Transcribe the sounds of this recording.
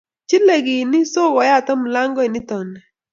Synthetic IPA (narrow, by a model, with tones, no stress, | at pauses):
t͡ʃi˦le˨ɡɪ˨nɪ˦so˦ɡɔ˨˦ja˦˨t̪a˦mʊ˨la˦ŋɡɔ˦i˨nɪ˦t̪ɔ˨nɛ˨